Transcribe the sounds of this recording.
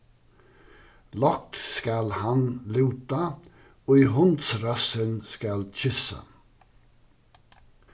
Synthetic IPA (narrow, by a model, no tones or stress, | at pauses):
lɔk̚t̪skalhanlʉːt̪a | oiɦʊnt̪sɾasənskalt͡ʃɪsə̰